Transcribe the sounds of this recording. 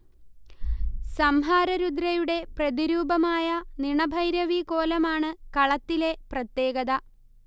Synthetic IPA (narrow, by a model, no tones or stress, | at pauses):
sɐmɦaːɾɐɾud̪ɾɐjuɽe̞prɐðiɾuːbɐmaːjɐniɳɐbʱɐjɾjɐʋiko̞ːlɐmaːɳɨkɐɭɐt̪ːile̞prɐt̪je̞ːɡɐðɐ